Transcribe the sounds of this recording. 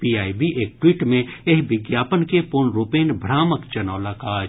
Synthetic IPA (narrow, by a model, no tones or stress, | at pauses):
piːaːibʱiʔeːk̚ʈwiːʈmẽeɦʋɪɡjaːpənkepʊɾnɾupeːnbʱɾaːməkt͡ʃɐnaːlakaː